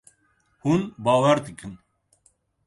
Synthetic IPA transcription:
hunbaːwɛɾd̪ɨkɨn

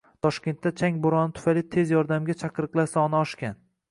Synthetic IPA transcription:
t̪ʰɒʃkʲe̞nt̪ːat͡ʃʰaŋboɾɒnɪt̪ʰʊ̥fajlit̪ʰe̞zjɒɾd̪amɡʲat͡ʃʰaqʰɨɾɨqlˠasaɒnaɒʃkʲan

